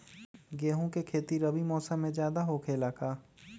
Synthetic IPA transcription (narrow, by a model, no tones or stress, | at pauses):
ɡeːɦõkekʰeːt̪iɾɐbimɔːsə̃mːẽd͡ʒjaːd̪aɦokʰeːlaːkʰaː